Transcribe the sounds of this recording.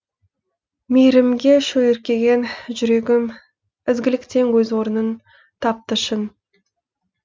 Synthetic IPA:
mejɾɪmɡʲe̞ʃɵleɾkʲe̞ɡʲe̞nʒʏɾe̞ɡʲɪm | ɪzɡʲɪlɪkt̪e̞ŋwɵzwo̞ɾənən | t̪ʰɑp̚t̪əʃən

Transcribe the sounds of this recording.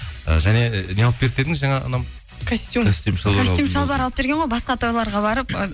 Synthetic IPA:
ə̰ʒæne̞neɑlˠəp̚ʲeɾt̪ed̪ɪzʒɑŋɑɑ̰nɑm | kʰosʲt̪i̥t̪ʲost̪emʃɑasemʃɑlˠbɑɾɑlˠəp̚b̥e̞ɾɡʲeɴʁojbɑsqɑt̪ʰojlˠɑɾʁɑβɑɾəp

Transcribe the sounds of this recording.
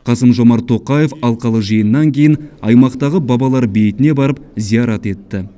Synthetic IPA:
qʰɑsəmʒo̞mɑɾt̪ʰo̞qɑje̞fɑlˠqɑlˠəʒijənːɑŋkʲʰejɪnɑjmɑqt̪ɑʁəbɑbɑlˠɑɾbe̞jt̪ɪne̞bɑɾəp̚zijɑɾɑt̪e̞t̪ːɪ

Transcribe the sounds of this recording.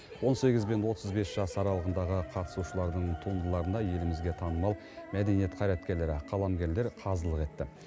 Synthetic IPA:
wo̞nse̞ɡʲɪzbe̞nwo̞t̪ʰəzbe̞sʒ̥ɑsɑɾɑlˠəʁənd̪ɑʁəqʰɑt̪ə̥suʃəlˠɑɾd̪əɴt̪ʰund̪əlˠɑɾənd̪ɑje̞lɪmɪzɡʲe̞t̪ʰɑnəmɑlˠ | mæd̪e̞nije̞t̪̚qʰɑjɾæt̪̚kʲe̞ɾle̞ɾɪqʰɑlˠɑmɡʲe̞ɾle̞ɾqʰɑzəlˠəqe̞t̪ːɪ

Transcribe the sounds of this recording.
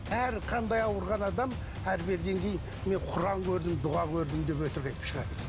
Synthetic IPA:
æɾqʰɑnd̪ɑjɑwəɾʁɑnɑd̪ɑm | æɾbe̞ɾɡ̪ʲe̞ŋkʲʰe̞jɪn | me̞ɴqʰʊɾɑŋkʲʰɵɾd̪ɪmd̪ʊʁɑkʲʰɵɾd̪ɪmd̪e̞pwɵt̪ɪɾkʲɑjt̪ə̥pʃəʁɑ̰d̪ə

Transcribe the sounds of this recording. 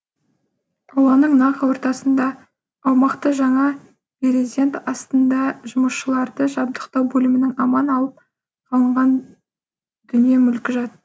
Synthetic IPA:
ɑwɑnəɴnɑqwo̞ɾt̪ɑsənd̪ɑː | wmɑqt̪əʒɑɴɑ | pʲeɾezd̪ʲe̞nt̪ɑst̪ənd̪ɑʒʊməsʃəlˠɑɾd̪əʒɑb̚d̪əqt̪ɑwbɵlɪmɪnɪŋɑmɑnɑlˠəp̚ | qʰɑlˠəɴʁɑn | d̪̥ʏnije̞mʏlkʲɪʒɑt̪ə

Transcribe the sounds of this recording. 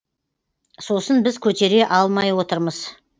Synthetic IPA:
so̞sənbɪzkʲʰɵt̪e̞ɾe̞ʔɑlˠmɑjwo̞t̪əɾməz̥

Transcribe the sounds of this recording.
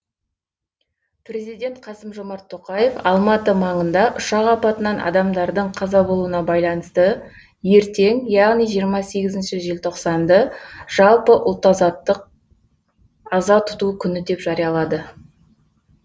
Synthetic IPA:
pre̞zijd̪e̞nt̪̚qʰɑsəmʒo̞mɑɾt̪ʰːoqɑje̞fɑlˠmɑt̪əmɑɴənd̪ɑʔʊʃɑʁɑpɑt̪ənɑnʔɑ̰d̪ɑmd̪ɑɾd̪əɴqʰɑzɑbo̞lˠuənɑbɑjlˠɑnəst̪ə | je̞ɾt̪e̞ŋjɑʁnijʒijəɾmɑse̞ɡʲɪzɪnʃɪʒelʲt̪ʰo̞qsɑnd̪əʒ̥ɑlˠpəʔʊ̰lˠt̪ːɑɑt̪ːəq | ɑzɑt̪ʰʊ̥t̪ukʲʰʏnɪd̪e̞pʒ̥ɑɾijɑlˠɑd̪ə

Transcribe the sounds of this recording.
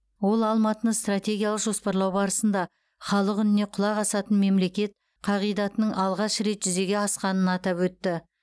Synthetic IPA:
wo̞lˠɑlˠmɑt̪ənəɴst̪rat̪ʲe̞ɡʲijalˠəqʒo̞spɑɾlˠɑwbɑɾəsənd̪ɑ | χɑlˠəqʏnɪne̞qʰʊlˠɑʁɑsɑt̪ənme̞mle̞kʲe̞t̪̚ | qʰɑʁijd̪ɑt̪ənəɴʔɑlˠʁɑʃɾe̞t̪ʒʏze̞ɡʲe̞ɑsqɑnənɑt̪ɑpwɵt̪ːɪ

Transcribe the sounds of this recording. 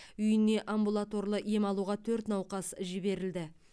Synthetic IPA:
ʏjɪne̞ʔambulˠat̪o̞ɾlˠəje̞mɑlˠuʁɑt̪ʰɵɾt̪nɑwqɑsʒɪbe̞ɾɪld̪ɪ

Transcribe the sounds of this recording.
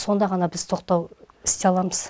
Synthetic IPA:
so̞nd̪ɑʁɑnɑbɪz̥t̪ʰo̞qt̪ɑw | ɪ̥st̪e̞ɑlˠɑməz̥

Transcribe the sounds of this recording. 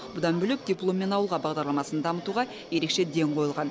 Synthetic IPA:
bʊd̪ɑnbʏlep̚d̪ʲijplˠo̞mːe̞nɑwəlˠʁɑbɑʁd̪ɑɾlˠɑmɑsənd̪ɑmət̪uʁɑ | je̞ɾe̞kʃe̞d̪e̞ŋqʰo̞jəlˠʁɑn

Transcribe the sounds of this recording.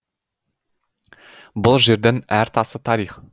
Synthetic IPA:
bʊlˠʒe̞ɾd̪enæɾt̪ʰɑsət̪ʰɑɾiχ

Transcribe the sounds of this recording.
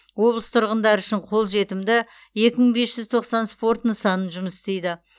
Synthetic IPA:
wo̞blˠəst̪ʰʊɾʁənd̪ɑɾʏʃɪɴqʰo̞lˠʒe̞t̪ɪmd̪ɪ | je̞kʲɪməɴbe̞sʒ̥ʏzt̪ʰo̞qsɑnspo̞rt̪nəsɑnənʒʊməsɪst̪e̞jd̪ɪ

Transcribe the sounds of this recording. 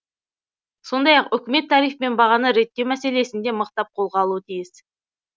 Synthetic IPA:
so̞nd̪ɑjɑqʏkʲɪme̞t̪ʰːɑɾijfpe̞nbɑʁɑnəɾe̞t̪ːe̞wmæse̞le̞sɪnd̪e̞məqt̪ɑp̚qʰo̞lˠʁɑlˠuət̪ʰijɪs

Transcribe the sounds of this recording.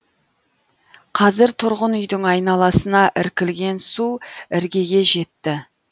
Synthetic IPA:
qʰɑzɪɾt̪ʰʊɾʁənʏjd̪ɪŋɑjnɑlˠɑsənɑʔɪɾkʲɪlɡʲe̞nsuɪɾɡʲe̞ɡʲe̞ʒe̞t̪ːɪ

